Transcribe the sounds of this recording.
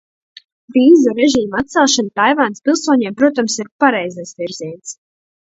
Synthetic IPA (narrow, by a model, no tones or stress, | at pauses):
vʲiːzuɾɛʒiːmat̪t̪sɛlˠʃanat̪ajvanspʲilˠsuɔɲeɛmpɾuɔt̪amsiɾpaɾɛjzasviɾziɛns